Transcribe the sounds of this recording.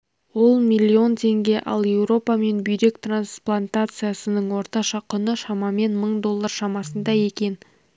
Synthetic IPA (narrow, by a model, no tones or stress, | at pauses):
wo̞lˠmʲijlʲːio̞nt̪ʰe̞ŋɡʲe̞ʔɑ̰lˠje̞wɾo̞pɑme̞nbʏjɾe̞kt̪ransplˠant̪at̪sɨjasənəɴwo̞ɾt̪ɑʃɑqʰʏnəʃɑmɑme̞nməɴd̪o̞lˠːarʃɑmɑsənd̪ɑje̞kʲe̞n